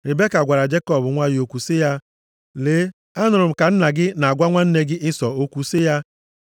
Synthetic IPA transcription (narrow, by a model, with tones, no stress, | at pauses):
ɾɪ˨be˦ka˨ɡʷa˨ɾa˨d͡ʒe˦kɔ˦˨bʊ˨ŋʷa˦jo˨kʷu˨sɪ˦ja˦ | leː˨˦ | a˦nʊ˨ɾʊ˨m̩˨ka˨n̩˦na˨ɡɪ˦na˨a˨ɡʷa˦ŋʷa˦n̩˦ne˦ɡɪ˦ʔɪ˦sɔ˨o˦kʷu˨sɪ˦ja˦